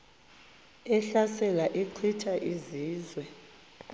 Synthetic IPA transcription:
ɛɬasɛlaʔiǃʰitʰaʔiziːzwɛ

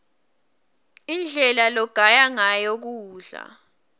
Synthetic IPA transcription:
ind͡ɮʱɛlalɔɡ̥ʱajaŋajok̬uːɮa̰

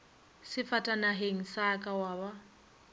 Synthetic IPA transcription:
sɪfatʼanaɦeŋ̩sakʼawaːβa

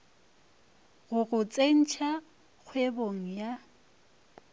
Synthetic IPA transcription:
ɣʊɣʊt͡sʼen̩t͡ʃʰa | k͡xʰweboŋ̩ja

